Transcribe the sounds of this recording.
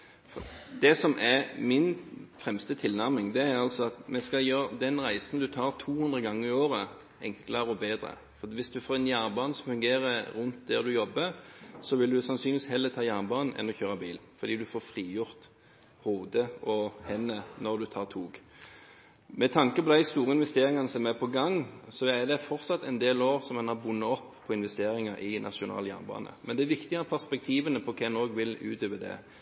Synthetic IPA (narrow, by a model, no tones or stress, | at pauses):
fɔd̪ɛsɔmʔæʁmɪnfʁɛmst̪ət̪ʰɪlnæʁmɪŋd̪ɛæʁɑlsɔɑt̪mɛskɑljøːɾd̪ɛnʁæɪsən̩d̪ʉt̪ʰɑːʁt̪ʰuːhʉnd̪ʁəɡɑŋːəɾɪoːʁə | ɛŋkləɾəɔbeːd̪ʁə̰ | fɔʋɪsd̪ʉfoːɾɛnjæːnbɑːnsɔmfʉŋɡeːʁəɾʉnt̪d̪ɛʁd̪ʉjɔbːəsɔʋɪld̪ʉsɑnsynʋiːshɛlːət̪ʰɑːjæːnbɑːnn̩ʔɛ̰nːɔçøːʁəbiːlfɔɾd̪iːd̪ʉfoːfʁiːjʊʁt̪ | huːd̪əʔɔhɛnːənɔʁd̪ʉt̪ʰɑːʁt̪ʰuːɡ | mɛt̪ʰɑŋkəpɔd̪æɪst̪uːʁəɪnʋɛst̪eːɾɪŋɑnəsɔmæpʰɔɡɑŋːsɔæd̪ɛfɔʁt̪sɑt̪ːɛnd̪eːloːʁsɔmɛnɑbʊnːəɔpːʰɔɪnʋɛst̪eːɾɪŋəɾʔɪnʔɑ̰ʃʊnɑ̰ːljæ̰ːnbɑ̰ːnə̰mɛnd̪ɛæʋɪkt̪ɪɡɑpʰæʁspɛk̚t̪ʰiːʋənəpʰɔkʰɛnoːɡʋɪlʉ̰ːt̪ʰøːʋəd̪ɛ̰